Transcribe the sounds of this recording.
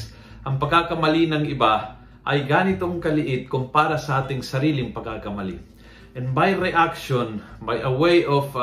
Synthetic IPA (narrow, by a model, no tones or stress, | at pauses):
ʔɐŋpɐɡakɐmɐlinɐŋʔɪba | ʔɐjɡaːnɪt̪oŋkɐlɪʔɪt̪̚kʊmpaːɾɐsɐʔaːt̪ɪŋsɐɾiːlɪŋpɐɡ̚akɐmɐlḭ | ʔɛ̃nbajɾɛʔakʃonbajʔɐwejʔof